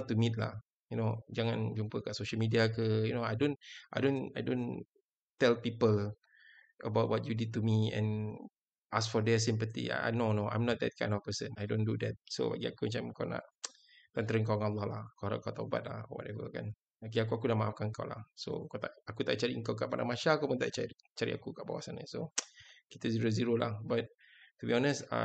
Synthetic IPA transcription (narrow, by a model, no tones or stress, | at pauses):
ɔt̪ːumit̪̚la̰h | junod͡ʒaŋãnd͡ʒumpəkaʔsoʃəlmidiakəjunoajdõnʔa̰jdõnajdõn | t̪ɛlpipəl | ʔəbawt̚wɔt̚judid̚tumiɛ̰̃n | ʔasfɔdɛs̬ĩmp̬ət̪ḭa̰a̰jnonoã̰jmnɔt̪̚d̪ɛ̰t̚kʰãj̃ndɔfpəsə̃najdõndud̪ɛt̚so̰ba̰ɡiakumat͡ʃamkawna̰ʔ | kɔnt̪ɾəŋkaaŋalːɔhlahkawɾaʔkawt̪aba̰t̪̚la̰hɔwɔ̰tɛvə̰ka̰n | akiak̬uakunaʔmaʔafkanka̰wla̰hso̰kat̪aʔakut̪aʔt͡ʃaɾiəŋkawkaʔpada̰ŋmaʃakapunt̪aʔt͡ʃaɾi | t͡ʃaɾḭʔa̰kukaʔba̰wasanə̰sokit̪əziɾoziɾola̰hbat̚ | t̪ubiɔnəsa̰